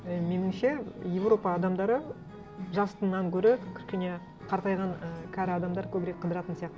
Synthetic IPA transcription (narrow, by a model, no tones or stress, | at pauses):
me̞nɪŋʃe̞je̞vro̞pɑːd̪ɑmd̪ɑɾə | ʒɑst̪əɴnɑŋkʲʰɵɾɪkʲʰʏ̥ʃkʲe̞ne | qʰɑɾt̪ɑjʁɑŋəkʲʰæɾɪɑd̪ɑmd̪ɑɾkʲʰɵbɾe̞k̚qʰːəd̪əɾɑt̪ənsijɑq̚t̪əə